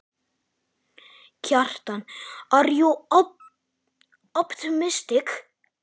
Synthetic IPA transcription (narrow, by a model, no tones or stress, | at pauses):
cʰar̥t̪anaɾju | ɔpt̪ɪmɪst̪ɪk